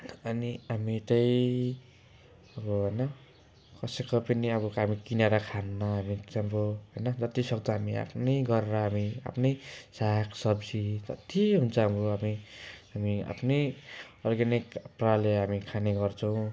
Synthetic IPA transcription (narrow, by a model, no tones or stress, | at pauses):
ʌniɦamit̪ʌj | ʌbʌɦojnʌ | kʌsekʌpʌniʌβʌɦamikineɾʌkʰanmaɦamiamɾoɦʌjnʌd͡zʌt̪isʌk̚d̪ʌɦamia̰pʰnʌjɡʌɾeɾʌɦamia̰pʰnʌjsakʰsʌbd͡zid͡zʌ̰t̪iɦunt͡sʰʌamroamiɦamia̰pʰnʌjʌrɡʌnikpraleɦamikʰaneɡʌrt͡sʰʌw̃